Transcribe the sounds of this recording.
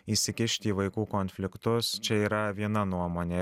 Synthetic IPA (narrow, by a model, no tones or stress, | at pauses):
iːsʲɪkʲɪʃʲt̪ʲiːʋɐɪkuːkɔnʲfʲlʲɪkt̪ʊst͡ʃʲɛiːɾɐʋʲiɛnɐnuɔmoːnʲeː